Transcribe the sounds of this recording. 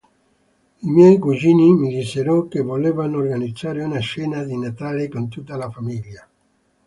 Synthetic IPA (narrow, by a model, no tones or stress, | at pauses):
imjɛjkud͡ʒiːnimid̪iseɾɔkevolevanorɡanid̪zaːɾeunaʃɛnad̪inat̪alekont̪ut̪ːalafamilja